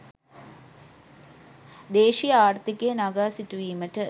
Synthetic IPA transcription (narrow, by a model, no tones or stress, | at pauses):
d̪eːʃijaːrt̪ikejnaɡaːsiʈuʋiːməʈə